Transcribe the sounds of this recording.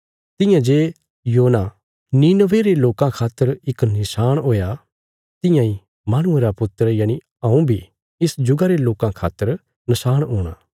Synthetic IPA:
t̪ɪjãd͡ʒeː | joːna | niːnəʋeɾeloːkãkʰaːt̪ːəɾɪknɪʃaːɽ̃ɦoːja | t̪ɪjãːĩ | maːɽ̃ʊeɾapʊt̪ːəɾjaːni | ɐũbʱi | ɪsd͡ʒʊɡaɾeloːkãkʰa̰ːt̪ːəɾ | nɐʃaːɽ̃ɦuːɽ̃a̰ː

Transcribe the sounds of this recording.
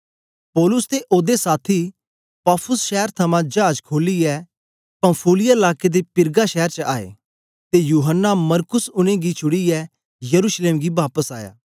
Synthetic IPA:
pɔːlʊst̪eʔoːd̪esaːt̪ʰi | paːpʰʊsʃɛːəɾt̪ʰɐmãd͡ʒaːd͡ʒkʰoːliɛ | pɐ̃mpʰuːlɪjaɪlaːked̪epɪɾɡaʃɛɦəɾt͡ʃəa̰ːḛː | t̪ejuːɦənːamɐɾkʊsʊñẽɡit͡ʃʰʊɽiɛ | jɐɾuːʃleːmɡibaːpəsaːja̰ː

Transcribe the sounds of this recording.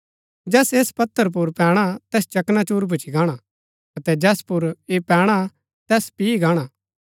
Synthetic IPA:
d͡ʒɛːseːspɐt̪ʰːəɾp̬ʊɾpɛːɽ̃at̪ɛːst͡ʃɐknat͡ʃuːɾbʊt͡ʃʰiɡãːɽ̃a | ɐt̪ɛd͡ʒɛːspʊɾepɛːɽ̃a | t̪ɛːspiiɡaːɽ̃aː

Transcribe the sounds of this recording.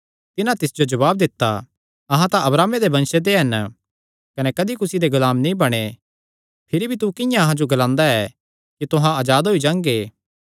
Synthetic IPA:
t̪ɪnãt̪ɪsd͡ʒod͡ʒɐβaːb̚d̪ɪt̪ːa | ɐɦãt̪ãʔɐbɾaːmed̪ebɐ̃nʃed̪eɦɐn | kɐnɛkɐd̪ikʊsid̪eɡʊlaːmnĩbɐɽ̃e | pʰɪɾibʱit̪ukɪjãɐɦãd͡ʒoɡɐlãːnd̪aɛ | kit̪ʊɦãɐːd͡ʒaːd̪ɦoid͡ʒãːŋɡeː

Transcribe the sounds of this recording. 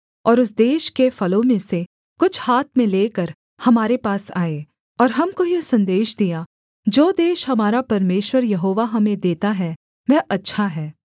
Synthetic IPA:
ɔːɾʊs̬d̪eːʃkefɐlõmẽse | kʊt͡ʃʰhaːt̪̚ʰmẽleːkəɾ | hɐmaːɾepaːsaːe | ɔːɾɦɐmkoijesɐ̃nd̪eːʃd̪ija | d͡ʒoːd̪eːʃɦɐmaːɾapɐɾmeːʃwəɾjɐɦoːʋaɦɐmẽd̪eːt̪aɦɛ | ʋɛʔɐtːʃʰaɦɛː

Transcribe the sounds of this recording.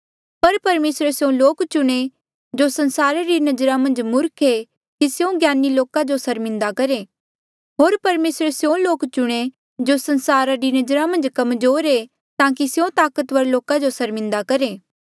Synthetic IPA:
pɐɾpɐɾmeːsɾesjõloːkt͡ʃʊɽ̃e | d͡ʒosɐ̃nsaːɾaɾinɐd͡ʒɾamɐ̃nd͡ʒmʊɾkʰe | kisjõɡjaːniloːkad͡ʒosɐɾmɪ̃nd̪akɐɾe | ɦoːɾpɐɾmeːsɾesjõloːkt͡ʃʊɽ̃e | d͡ʒosɐ̃nsaːɾaɾinɐd͡ʒɾamɐ̃nd͡ʒkɐmzoːɾe | t̪ãːk̬isjõt̪aːkət̪ʋɐɾloːkad͡ʒosɐɾmɪ̃nd̪akɐɾeː

